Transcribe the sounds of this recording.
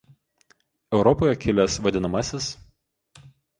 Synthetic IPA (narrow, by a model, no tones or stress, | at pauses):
ɛʊɾɔpoːjɛkʲɪlʲɛsʋɐd̪ʲɪnɐmɐsʲɪs